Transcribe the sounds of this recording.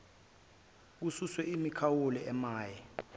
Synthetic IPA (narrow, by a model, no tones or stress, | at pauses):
k̬ususwɛimikʰawolɛɛmaːjɛ